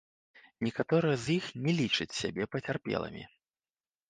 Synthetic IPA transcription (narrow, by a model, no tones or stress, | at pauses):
nʲɛkat̪ɔɾɨjɐzjixnʲɛlʲit͡ʂɨt͡sʲsʲa̰bʲɛpɐt͡sʲarpʲɛ̰lˠɐ̰mʲḭ